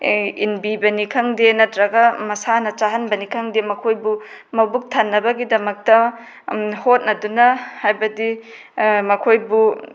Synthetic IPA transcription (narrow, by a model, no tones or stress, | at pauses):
inbibɐnikʰɐŋdenɐtɾɐɡɐmɐsanɐt͡ʃaɦɐnbɐnikʰɐŋdemɐkʰojbu | mɐbuk̚tʰanːɐbɐɡidɐmɐk̚tɐ | hot̚nɐdunɐhajbɐdi | mɐkʰojbu